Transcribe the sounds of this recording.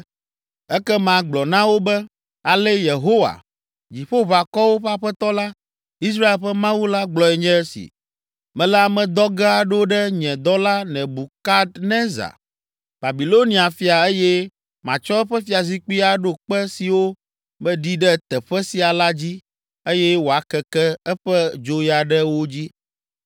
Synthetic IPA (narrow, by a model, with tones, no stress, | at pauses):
ɛ˦kɛ˦mã˨ɡ͡blɔ˨nã˦wo˦bɛ˦ | a˨lɛ˦je˨ɦo˦wa̰˨ | d͡ʑi˨ɸo˦βa˨kɔ˦wo˦ɸa˦ɸɛ˦t̪ɔ˦la˦ | i˦s̬ɾa˦e˨lɸɛ˦mã˦wu˦la˦ɡ͡blɔ˨ɛ˨ɲɛ̃˦ɛ˦sḭ˨ | mɛ̃˨lɛ˦a˨mɛ̃˨d̪ɔ˦ɡa˦a˨ɖo˦ɖɛ˦ɲɛ̃˨d̪ɔ˦la˦nɛ̃˨bu˨ka˦d̪nɛ̃˦za̰˨ | b̥a˨bi˨lo˦nĩ˦a˨fi˦a˨e˦jɛ˦ | mã̰˨t͡ʃɔ˦ɛ˦ɸɛ˦fi˦a˨zi˦k͡pi˦a˦ɖo˦k͡pɛ˦si˨wo˦ | mɛ̃˦ɖi˦ɖɛ˦t̪ɛ˨ɸɛ˦si˨a˨la˦d͡ʑi˦ | e˦jɛ˦wo˨a˨˦kɛ˦kɛ˦ɛ˦ɸɛ˦d͡ʒo˦ja˨ɖɛ˦wo˦d͡ʑi˦